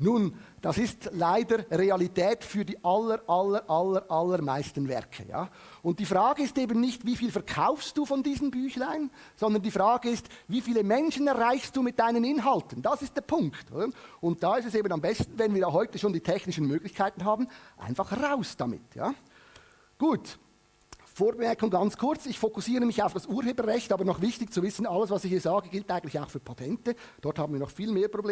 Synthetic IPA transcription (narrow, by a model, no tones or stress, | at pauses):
nuːnd̥ɑsɪstlaɪdəɾʁeɑlitʰɛːtfyːɐdiːʔɑləɾʔɑləɾʔɑləɾʔɑlːəɾmaɪstən̩vɛ̰ʁkʰə̰ja̰ː | ʊnt̚d̥iːfʁaːɡəɪsteːbən̩nɪçtviːfiːlfɛɐkʰaʊfst̚d̥uːfɔndiːzənbyːçlaɪn | z̥ɔnd̪ɐndiːfʁaːɡəɪstviːfiːləmɛnʃənɛʁʁaɪçstd̥uːmɪt̚d̥aɪnənɪnɦɑltən̩d̥ɑsɪst̚d̥ɛːɐpʰʊŋkto̰ːdəʊnt̚d̥aːɪstɛseːbən̩ɑmbɛstn̩vɛnviːɐdaːɦɔʏtəʃoːndiːtʰɛçnɪʃən̩møːɡlɪçkʰaɪtn̩ɦaːbn̩ʔa̰ɪnfɑχhʁaʊsd̥ɑmɪ̰tja̰ː | ɡ̥uːt | foːɐbəmɛɐkʊŋɡɑnt͡skʰʊɐt͡sɪçfokʊsiːʁəmɪçaʊfd̥ɑsuːɐheːbəʁɛçtɑːbɐnɔχvɪçtɪçt͡suvɪsn̩ɑləsvɑsɪçhiːɐzaːɡəɡɪltʔaɪɡn̩tlɪçaʊxfyːɐpʰatʰɛntəd̥ɔʁthɑːbmnviːɐnɔχfiːlmeːɐpr̥obleː